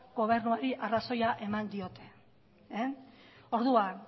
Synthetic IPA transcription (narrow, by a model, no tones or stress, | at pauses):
ɡo̞β̞e̞ɾnuaɾiʔaraso̞jaʔe̞mand̪io̞t̪ʰe̞ | o̞ɾðuan